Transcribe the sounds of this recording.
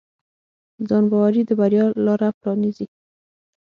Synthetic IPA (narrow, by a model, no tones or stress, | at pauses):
zɑnbawaɾid̪əbaɾjɑlɑɾapɾɑnizi